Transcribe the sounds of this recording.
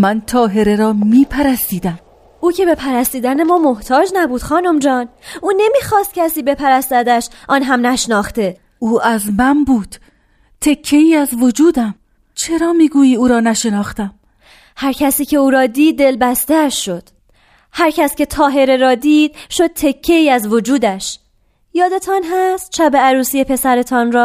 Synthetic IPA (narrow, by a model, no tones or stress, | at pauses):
mænt̪ʰɒːɦe̞ɾe̞ɾɒːmiːpʰæɾæst̪iːd̪æm | ʔuːcʰe̞be̞pʰæɾæst̪iːd̪æne̞mɒːmo̞ht̪ʰɒːd͡ʒnæbuːd̪xɒːnomd͡ʒɒːnuːne̞miːxɒːst̪̚cʰæsiːbe̞pʰæɾæst̪æd̪æʃʔɒːnɦæmnæʃnɒːxt̪e̞ | uːæzmænbuːd̪̥ | t̪ʰe̞kʰːe̞iːæzvod͡ʒuːd̪æm | t͡ʃʰe̞ɾɒːmiːɡuːjiːuːɾɒːnæʃe̞nɒːxt̪æm | hæɾcʰæsiːcʰe̞uːɾɒːd̪iːd̪̚ːe̞lbæst̪eæʃːo̞d̪̥ | hæɾcʰæscʲe̞t̪ʰɒːɦe̞ɾeɾɒːd̪iːd̪̥̚ʃo̞d̪̥̚t̪ʰe̞kʰːe̞iːæzvod͡ʒuːd̪æʃ | jɒːd̪e̞t̪ʰɒnɦæst̪̚t͡ʃʰæbe̞æɾuːsiːjepʰe̞sæɾe̞t̪ʰɒnɾɒː